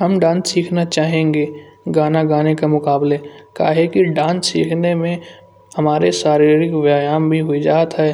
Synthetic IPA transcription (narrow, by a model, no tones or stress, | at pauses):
ɦɐmɖãːnssiːkʰnat͡ʃaːɦẽːŋɡeːɡaːnaɡaːnekamʊkaːbleka̰ːɦekiɖãːnssḭːkʰnemẽ | hɐmaːɾesaːɾiːɾɪkʋaːjaːmbʱiɦʊid͡ʒaːt̪ɦɛː